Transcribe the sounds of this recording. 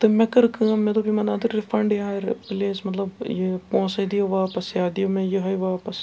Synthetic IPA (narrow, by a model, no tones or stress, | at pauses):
t̪ɨmẽkɐɾkɨmmẽt̪obʱimɐnɐd̪ɨɾːɪfɐɳɖjaːɾ̰pɪleːsmɐt̪lɐbjepõːsɐd̪ijoʋaːpɐsjaːd̪ijomẽjeɦɐjʋaːpɐs